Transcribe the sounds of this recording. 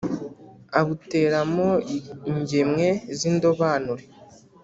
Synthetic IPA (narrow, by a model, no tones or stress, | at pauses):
aβute̞ːɾamoiɲɟemŋe̞ziːndo̞βaːnuɾe